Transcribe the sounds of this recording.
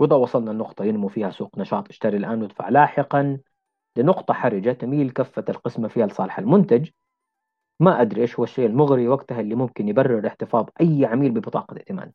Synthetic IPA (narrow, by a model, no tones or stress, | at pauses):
wɪd̪ˤɑwɑsˤɑlnɑnːʊqt̪ˤɑjɪnmufiːhasuːqnɑʃɑːt̪ˤʔɪ̥ʃt̪aɾilʔaːnwɪd̪fa̰ʕlaːħɪqɑn | lɪnʊqt̪ˤɑħaɾˤɪd͡ʒat̪amiːlkafːat̪alqɪsmafiːhalsˤɑ̰ːlɪħalmʊnt̪ad͡ʒ | maʔad̪ɾiʔeːʃhʊwːaʃːeːʔalmʊɣɾiwaɡt̪ahʔɪlːimʊmkɪnjɪbarːɪɾɪħt̪ɪfɑːðˤʔajːʕamiːlbɪbɨt̪ˤɑ̰ːqɑɪʔt̪ɪma̰ːd̪